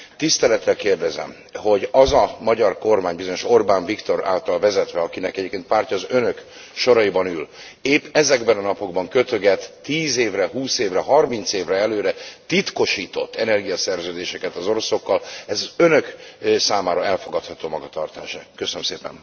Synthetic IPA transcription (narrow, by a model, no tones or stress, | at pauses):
t̪ist̪ɛlɛt̪ːɛlkeːrd̪ɛzɛ̰m | ho̞ɟɒzɒmɒɟɒrko̞rmaːɲbizo̞ɲo̞ʃo̞rbaːɱvikt̪oɾa̰ːlt̪ɒlvɛzɛt̪ʋɛɒkinɛkɛɟeːpkeːnt̪paːrcɒːzø̞nø̞k | ʃo̞ɾɒjibɒnyl | eːpːɛzɛɡbɛnɒnɒpo̞ɡbɒŋkø̞t̪ø̞ɡɛt̪ːiːzeːvrɛɦuːseːvrɛɦɒrmint̪seːvrɛɛløːɾɛt̪it̪ko̞ʃiːt̪o̞̰t̪ʰːɛnɛrɡijɒsɛrzøːd̪eːʃɛkɛt̪ɒzo̞ɾo̞so̞kːɒlɛzɒzønø̞ksaːmaːɾɒɛlfo̞ɡɒt̪hɒt̪oːmɒɡɒt̪ɒrt̪aːʃɛkøsønømseːpɛ̰n